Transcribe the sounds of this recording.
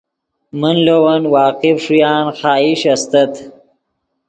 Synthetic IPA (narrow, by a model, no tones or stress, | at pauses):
mənlowɐnwɑːqifʂujɑːnxɑːiɕɐst̪at̪